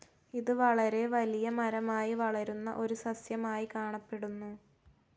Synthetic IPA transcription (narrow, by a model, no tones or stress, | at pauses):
iðɨʋɐɭɐɾe̞ʋɐlijɐmɐɾɐmaːjiʋɐɭɐɾunːɐ̰ʔo̞ɾusɐsjɐmaːjikaːɳɐpːe̞ɽunːu